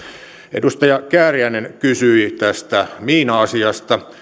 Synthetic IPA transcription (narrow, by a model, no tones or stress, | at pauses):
ʔḛdust̪ɑjɑkæːriæinenkysyit̪æst̪æmiːnɑɑsiɑst̪ɑ